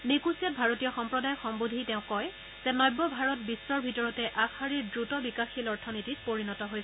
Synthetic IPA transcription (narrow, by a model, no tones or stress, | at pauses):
nekusijat̚bʱaɹotijɔxɔmpɹɔdajɔxɔmbodʱitɛʊ̃kɔj | zɛnɔjbːɔbʱaɹɔt̚bisːɔɹbʱitɔɹɔtɛʔakʰːaɹiɹdɹutɔbikaxilɔɹtʰɔnititpoɹinɔtɔɦojs